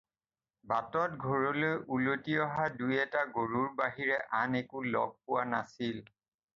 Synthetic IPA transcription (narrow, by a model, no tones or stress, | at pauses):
batɔtɡʱoɹɔlojʔulotiɔɦadujɛtaɡoɹuɹbaɦiɹɛʔanekulɔ̰ɡ̚pʊwanasil